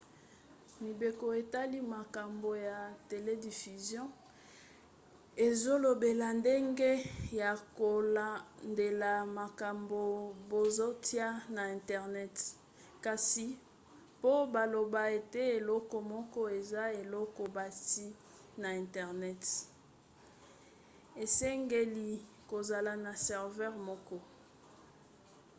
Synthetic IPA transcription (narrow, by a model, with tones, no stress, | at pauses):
mi˨be˨ko˨e˨ta˦li˦ma˨ka˨mbo˨ja˨te˨le˦di˨fy˨zjɔ̃˦ | e˨zo˦lo˨be˨la˨nde˦ŋɡe˦ja˨ko˨la˨nde˨la˨ma˨ka˨mbo˨bo˨zo˦ti˦a˦na˨ɛ̃˨ntɛ˨ʁnɛ˦t | ka˨si˨ | po˦ba˨lo˨ba˨e˨te˦e˨lɔ˦kɔ˨mɔ˦kɔ˦e˨za˦e˨lɔ˦kɔ˨ba˨ti˦ | na˨ɛ̃˨ntɛ˨ʁnɛ˦t | e˨sɛ˦ŋɡe˦li˨ | ko˨za˨la˨na˨sɛ˨ʁvɛ˦ʁmɔ˦kɔ˦